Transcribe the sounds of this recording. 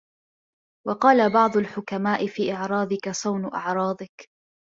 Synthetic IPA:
wɑqɑːlabɑʕd̪ˤʊlħʊkamaːʔɪfiːʔɪʕɾˤɑːd̪ˤɪkasˤɑwnʊʔɑ̰ʕɾˤɑːd̪ˤɪk

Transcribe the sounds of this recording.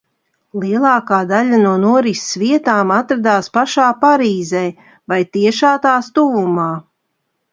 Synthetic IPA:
lˠiɛlˠɑːkaːd̪aʎʲanuɔnuɔɾisviɛt̪aːmat̪ɾad̪aːspaʃaːpaɾiːzɛj | vajt̪iɛʃaːt̪aːst̪uvumaː

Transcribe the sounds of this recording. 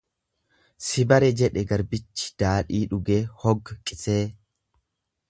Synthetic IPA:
sɪbɐɾɛd͡ʒɛᶑɛɡɐɾbɪt͡ʃːɪ̥d̪̥aːᶑiːᶑʊɡeːhɔɡːɐkʼɪseː

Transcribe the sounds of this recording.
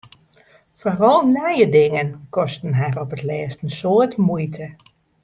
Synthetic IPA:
forɔlˠnajədɪŋənkɔstənɦɛrɔpətlɛːstənsoətmujtʰə

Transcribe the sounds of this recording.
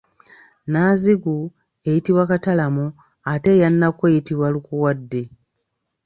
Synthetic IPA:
naziɡu | ejitiβwakatalamu | ate̞janːakwejitiβwalukuwadːe̞

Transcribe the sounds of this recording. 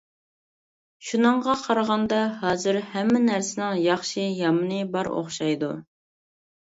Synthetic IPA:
ʃunɨɴʁɑqʰɑɾʁɑnd̪ɑɦɑːzɨɾhɛmːɪnæɾsɪnɪŋjɑχʃijɑmɨnɨbɑɾo̰χʃɑjd̪u

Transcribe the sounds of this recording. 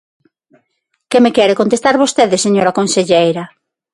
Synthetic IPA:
kemekjɛɾekõnt̪est̪aɾβost̪eðɪseɲoɾakonseʎejɾɐ

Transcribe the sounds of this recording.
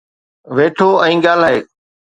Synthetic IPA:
ʋeːʈʰoːʔɛ̃ːɠaːl̤aːɦeː

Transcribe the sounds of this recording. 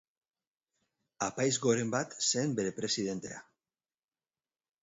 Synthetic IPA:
apajzɣo̞ɾe̞mbat̪se̞ːmbe̞ɾe̞pɾe̞sið̞e̞nt̪e̞a̰

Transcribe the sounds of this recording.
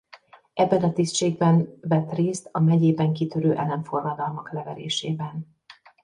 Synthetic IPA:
ʔɛbːɛnɒt̪ist̪ʃeːɡ̚bɛnvɛt̪reːst̪ɒmɛɟeːbɛŋkit̪øɾøːʔɛlɛɱfo̞rlɒd̪ɒlmɒklɛvɛɾḛːʃeːbɛn

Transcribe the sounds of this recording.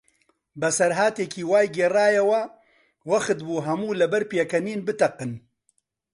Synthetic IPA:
bɛsɐɾɦaːt̪eːkʰiːwaːjɡeːraːjɛwɐ | wɐxɨt̪buːɦɐmuːlɐbɐɾpeːkɐniːnbɨt̪ɐqɨn

